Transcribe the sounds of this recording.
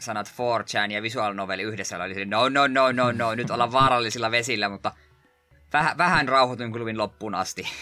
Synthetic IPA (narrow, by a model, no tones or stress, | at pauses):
sɑnɑt̪foːrt͡ʃænjɑʋisuɑlnoʋelːˑiyhdesːælo̰liselːenounːonːonːounːoinyt̪olːɑʋʋɑːɾɑlːisilːɑʋesilːæmut̪ːɑ | ʋæhæʋæhænrɑuhot̪uŋkluʋinlopːuːnɑ̰st̪i